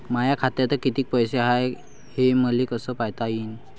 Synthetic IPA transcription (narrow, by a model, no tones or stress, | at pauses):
majakʰat̪jat̪əɾkit̪iːk̚pəjseɦaj | heməlekəsəpajt̪ain